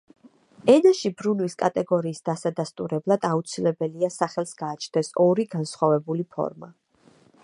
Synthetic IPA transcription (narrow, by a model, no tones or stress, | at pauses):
ɛnaʃibɾunwiskʼat̪ʼɛɡɔɾiːsd̪̥asad̪ast̪ʼuɾɛblˠad̪aut̪sʰilɛbɛliasaχɛlˠsɡ̥aːt͡ʃʰt̪ʰɛsɔɾiɡansχwavɛbulipʰɔ̰ɾma̰